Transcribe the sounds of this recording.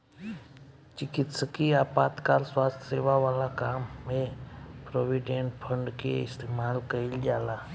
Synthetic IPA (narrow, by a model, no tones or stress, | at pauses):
t͡ʃɪkɪt̪səkiaːpaːt̪kaːɾswaːst̪ʰseːʋaʋaːlakaːmːẽpɾoːʋiɖẽɳʈpʰə̃ɳɖkḛɪst̪eːmaːlkəɪld͡ʒaːlaː